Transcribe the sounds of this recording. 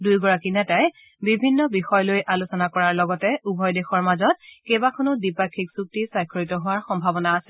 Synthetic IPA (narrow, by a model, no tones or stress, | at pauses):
dujɡɔɹakinɛtaj | bibʱinːɔbixɔjlojʔalusɔnakɔɹaɹlɔɡɔtɛubʱɔjdexɔɹmazɔt̚kebakʰɔnʊdipakʰːiksuk̚tisajkʰɔɹitɔɦʊwaɹxɔmbʱabɔnaːsɛ